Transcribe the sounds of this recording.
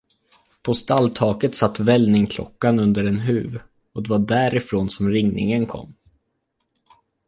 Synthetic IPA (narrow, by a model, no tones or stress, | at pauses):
pʰɔst̪alt̪ʰɑːkət̪sat̪ːvɛlnɪŋkʰlɔ̰kːanɵnd̪əɾɛnɦʉ̟̰ːv | ɔd̪ɛvaɖæːɾɪfɾoːnsɔmɾɪŋnɪ̰ŋənkʰɔ̰mː